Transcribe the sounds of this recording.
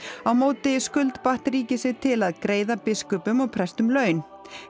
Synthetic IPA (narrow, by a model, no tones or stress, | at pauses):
awmoːwt̪ɪskʏlt̪paht̪ɾiːcɪsɪɣt̪ʰɪlaðkɾeːjðapɪskʏpʏmɔɣpʰɾɛst̪ʏmlœːɥn